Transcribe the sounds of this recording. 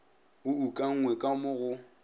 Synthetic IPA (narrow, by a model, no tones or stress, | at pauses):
ʊukʼaŋ̩ŋwɛkʼamʊɣʊ